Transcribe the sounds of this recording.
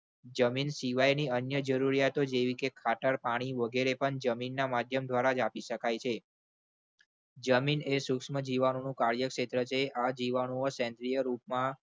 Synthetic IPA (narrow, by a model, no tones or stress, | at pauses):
d͡ʒəminsiʋajniənjəd͡ʒəɾuɾijat̪od͡ʒeʋikekʰaʈəɾpaɽ̃iʋəɡeɾepəɳd͡ʒəminːamad̪ʱjəmd̪ʱʋaɾad͡ʒapiʃəkajt͡ʃʰe | d͡ʒəminesukʃməd͡ʒiʋanonũkaɾjəkʃet̪ɾət͡ʃʰeʔad͡ʒiʋanoosɛ̃nt̪ɾijəɾupmã